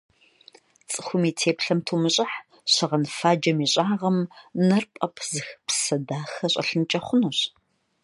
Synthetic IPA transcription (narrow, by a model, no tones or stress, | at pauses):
t͡sʼɨxʷʊmiːtʰeːpɬɐmtʰuːmɨɕʼɐħ | ɕɐʁɐnfaːd͡ʒɐmiːɕʼaːʁɐmnɐrpʼɐpʰzɨxpsɐdaːxɐɕʼɐ̰ɬɨnt͡ʃʼɐχʷʊnuɕ